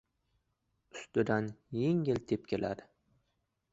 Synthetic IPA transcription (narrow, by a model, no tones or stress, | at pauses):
ʊst̪ɪd̪anjeŋʲɪlt̪ʰep̚kʲʰela̰d̪ɪ